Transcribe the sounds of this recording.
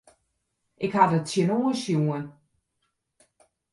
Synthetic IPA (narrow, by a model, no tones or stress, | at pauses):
ʔɪkhadətsjənoəsjuən